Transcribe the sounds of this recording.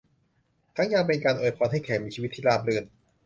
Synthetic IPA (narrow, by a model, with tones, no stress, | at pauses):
t̪ʰaː˦˥ŋjaː˧˩pe˧nkaː˧nʔoː˨˧˩jpʰɔː˧nhɦa˥˩jkʰɛː˩˦miː˧t͡ɕʰiː˧˦˥t̪ʰːiː˥˩laː˥˩p̚lɯ˧˩n